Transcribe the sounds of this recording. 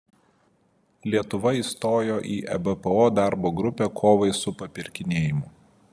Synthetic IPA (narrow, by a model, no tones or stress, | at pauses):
lʲiɛt̪ʊʋɐiːˑst̪oːjoːʔiːʔɛ̰bɛpɛoːd̪ɑˑɾboːɡɾʊpʲɛkʰoːʋɐɪsʊpɐpʲɪɾʲkʲɪnʲeːjɪmʊ